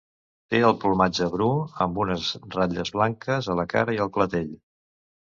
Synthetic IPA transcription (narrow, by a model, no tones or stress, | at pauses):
t̪eəlˠpulˠmad͡ʒəβɾuəmbunəzraʎəzβlaŋkəzələka̰ɾəiəlˠklət̪eʎ